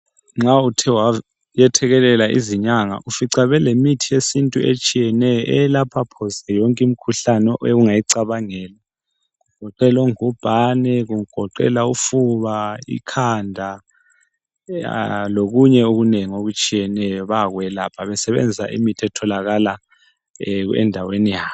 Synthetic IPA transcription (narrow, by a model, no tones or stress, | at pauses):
ŋ͡ǁautʰɛwa | jɛtʰɛɣɛlɛlaʔḭziɲaŋa̰ʔufiǀaβɛlemitʰijesintʼuet͡ʃʼijɛnɛjɔʔɛlapʰapʰɔsɛjɔŋkʼim̩kʰuɬanɔʔeɣuŋajiǀaβaŋɛːla | ɣuɡ̥ʱɔǃɛloŋub̥ʱanɛɣuŋ̩ɡ̥ʱɔǃɛ̰laufuβaḭkʰandʱa | loɣuɲɛoɣuneŋioɣut͡ʃʼijɛnɛjɔβaɣwɛlapʰaβɛsɛβɛ̰nd͡zʱisa̰ʔḭmitʰiɛtʰɔlaɣala | ɛ̰ndʱawenijaːβ